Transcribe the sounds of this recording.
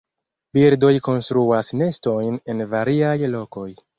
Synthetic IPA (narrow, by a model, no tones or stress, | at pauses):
biɾdo̞jko̞nstɾuasne̞sto̞jne̞nvaɾiajlo̞ko̞j